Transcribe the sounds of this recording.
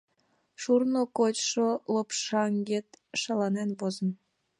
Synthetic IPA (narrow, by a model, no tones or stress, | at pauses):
ʃurnokot͡ɕʃolopʃɑŋɡet̪ʃɑlɑnenpozə̆n